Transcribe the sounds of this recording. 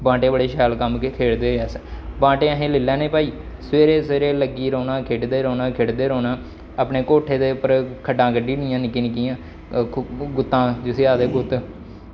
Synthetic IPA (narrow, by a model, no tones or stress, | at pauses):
bãːʈeːbəɽeːʃɛːlkəmkkʰeːɽd̪eːɦoɛːsbãːʈeːəɦẽːlɪlːɛ̃ːneːpaːiː | sʋeːɾeːsʋeːɾeːləɡiːɾɔːnãːkʰeːɖd̪eːɾɔːnãːkʰeːɽd̪eːɾoːnãː | aːpneːkoːʈʰːeːd̪eːʊpːəɾkʰəɖãːkəɖiːnɪjãːnɪkiːnɪkiːjãː | ɡʊt̪ːãːd͡ʒɪseːaːd̪eːɡʊt̪ː